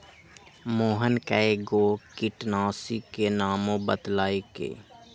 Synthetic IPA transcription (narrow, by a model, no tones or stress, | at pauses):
moːɦənkɛeɡoːkɪʈnaːsikenaːmõbət̪laːekḛː